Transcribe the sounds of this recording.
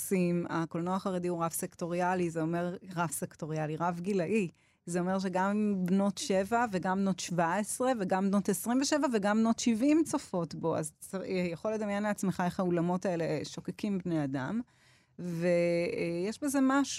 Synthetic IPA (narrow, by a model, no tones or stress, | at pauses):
simakolnoaχaʁediuʁavsekto̞ʁializeome̞ʁʁavsekto̞ʁialiʁavɡilaʔi | zeo̞meʁʃ̬eɡambno̞tʃe̞vaveɡambno̞tʃvaesʁe̞veɡambno̞tesʁimveʃevaveɡambno̞tʃivʔimt͡sofo̞tbo̞a̰zjaχo̞led̪amjenleat͡smeχaeχaulamo̞taele̞ʃo̞kekimbnejada̰m | vejeʃbeze̞maʃ